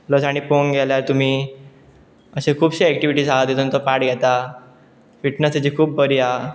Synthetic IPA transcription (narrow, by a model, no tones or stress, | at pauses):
ləsaɽ̃ipoŋɡʱɛljaɾt̪um̤iː | əɕekʰuːbɕiɛk̚ʈiʋiʈiːsad̪et̪uːnt̪ɔpaʈɡʱɛt̪a | fiʈnəst̪id͡ʑikʰuːbbəɾia